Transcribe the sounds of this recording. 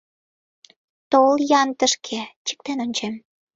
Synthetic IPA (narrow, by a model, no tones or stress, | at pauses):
t̪oljɑnt̪əʃkʰet͡ɕə̥k̚t̪enonʲt͡ɕem